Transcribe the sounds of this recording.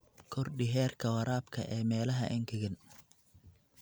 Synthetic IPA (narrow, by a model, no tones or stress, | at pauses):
kʰɔrɖɪɦɛːrkʰɐwɐɾaːbkʰɐ̰ʔɛːmɛːlɐɦɐ̰ʔɪŋkʰɪɣɪn